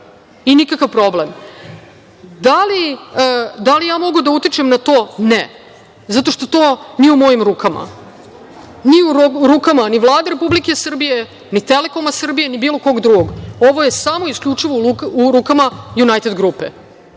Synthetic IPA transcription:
inikakaʋpɾo̞blem | d̪aliəd̪alijaːmo̞ɡud̪aut̪it͡ʃemnat̪o̞ːne | zat̪o̞ʂt̪o̞t̪oːnijeumo̞jimɾuːkama̰ | niuɾɾukamaniʋlˠaːd̪eɾepublikesr̩bije | nit̪ele̞komasr̩bije̞nibiːlˠo̞ko̞ɡd̪ɾuɡoɡo̞ʋoje̞samo̞iskʎʲut͡ʂiʋouuɾukamajunajt̪ed̪ɡɾupḛ

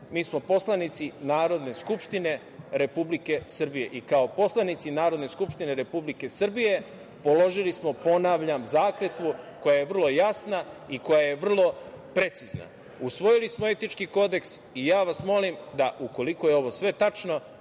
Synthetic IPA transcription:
miːsmo̞po̞slˠanit̪sinaːɾo̞d̪ne̞skupʃt̪ine̞ | ɾe̞publike̞sɨr̩bije̞ʔikao̞po̞slˠanit̪sinaːɾo̞d̪ne̞skupʃt̪ine̞ɾe̞publike̞sr̩bije̞ | po̞lo̞ʒilismo̞po̞naʋʎamzaːkle̞t̪ʋuko̞jaje̞ʋr̩lo̞jasnaiko̞jaje̞ʋr̩lˠo̞pɾe̞t̪sizna̰ | usʋo̞jilismoe̞t̪it͡ʃkiko̞d̪e̞ks | ijaːʋasmo̞limd̪aʔuko̞liko̞jeo̞ʋo̞sʋe̞t̪at͡ʃno̞

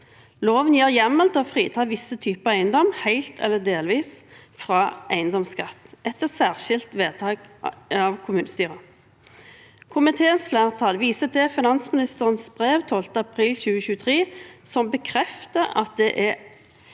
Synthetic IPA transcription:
loːʋənjæːʁjɛmːəlt̪ʰɔfʁiːt̪ʰɑːʋɪsət̪ʰyːpəɑæɪənd̪ɔmhæɪlt̪ʰɛ̰lːəd̪eːlʋiːsfʁɑːʔæɪənd̪ɔmskɑt̪ːɛt̪ːəʁsæːʁʃɪlt̪ʋeːt̪ʰɑːɡɑːʋkʰʊmʉːnəst̪yːʁə | kʰʊmɪt̪ʰeːənsflæːʁt̪ʰɑlʋiːsət̪ʰɛfɪnɑnsmɪnɪst̪əʁənsbʁeːʋt̪ʰoːlt̪əɑpʰʁiːlɕʉːəçʉːət̪ʰʁeːsɔmbəkʰʁɛft̪əɑ̰t̪̚d̪ɛʔæ

